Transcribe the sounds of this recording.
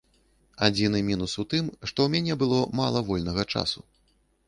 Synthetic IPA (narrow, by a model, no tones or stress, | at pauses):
ad͡zʲinɨmʲinusut̪ɨmʂt̪ɔwmʲanʲɛbɨlˠɔmalˠɐvɔlʲnɐɣɐt͡ʂa̰su